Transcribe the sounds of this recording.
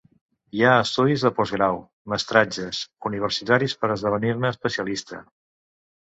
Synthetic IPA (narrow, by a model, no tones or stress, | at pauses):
iaəst̪uðizðəpɔzɣɾaw | məst̪ɾad͡ʒəsuniβ̞əɾsit̪aɾispəɾəzðəβ̞əniɾnəːspəsiəlist̪ə̰